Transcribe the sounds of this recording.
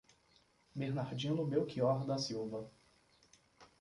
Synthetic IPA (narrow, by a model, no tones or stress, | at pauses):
beɾnaɾd͡ʒĩlʊbewkiɔɾd̪ɐsiwvɐ